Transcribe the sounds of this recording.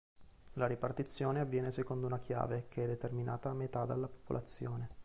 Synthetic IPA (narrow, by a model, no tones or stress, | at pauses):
laɾipart̪it̪sːjoːneavːjɛːnesekond̪ounak̟ja̰ːvekeɛd̪ːet̪ermina̰ːt̪aːmet̪ad̪alːapo̥polʔat̪sːjoːne